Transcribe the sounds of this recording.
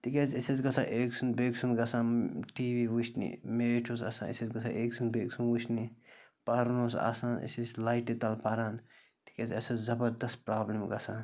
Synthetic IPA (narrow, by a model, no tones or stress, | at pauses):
t̪ikʲet͡siset͡ʃɡɐsʰaːʔeːksʰunbeːksʰunɡɐsãːʈiːʋiwut͡ʃnḭmeːʈʰoːsɐ̰sã̰ːnḭset͡sɡɐsʰa̰ʔeːksunbeːksunwut͡ʃnipɐɾnoːsa̰saːnʔḭset͡slaːjʈit̪ɐlpɐɾaːn | t̪i̥kʲet͡sɐsot͡szɐbɐɾd̪ɐst̪̚pɾaːblemɡɐsaːn